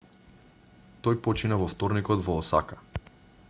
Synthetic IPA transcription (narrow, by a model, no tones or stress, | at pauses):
t̪ɔjpɔt͡ʃinavɔft̪ɔɾnikɔd̪vɔːsa̰kḁ